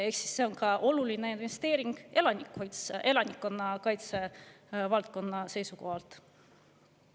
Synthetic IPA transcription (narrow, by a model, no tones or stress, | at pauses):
e̞ksi̥sːe̞o̞nkɑʔo̞lulinæjnd̪inest̪e̞ːɾiŋɡ̥e̞lɑnikːojt̪sʔe̞lɑnikːˑo̞nːɑkɑjt̪se̞ | vɑlt̪̚ko̞nːɑse̞jsuko̞hɑlt̪